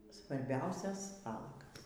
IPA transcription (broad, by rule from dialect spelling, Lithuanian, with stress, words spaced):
sʋɐrʲˈbʲɛʊsʲɛs ˈʋɑːlˠɐɡɐs